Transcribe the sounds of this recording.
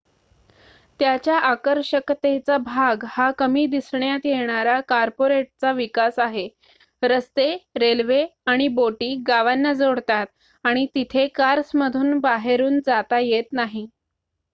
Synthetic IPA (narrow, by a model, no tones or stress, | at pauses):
t̪jat͡ɕjaʔakəɾɕəkt̪et͡sabʱaɡhakəmiːd̪isɳjat̪jeɳ̃aɾakaɾpoɾeʈ̚t͡saʋikasaɦe | ɾəst̪eɾelʋeaɽ̃iboʈiːɡaʋanːad͡zoɽt̪at̪̚ | aɽ̃it̪it̪ʰekaɾsməd̪ʱuːnbaɦeɾuːnd͡zat̪ajet̪naɦi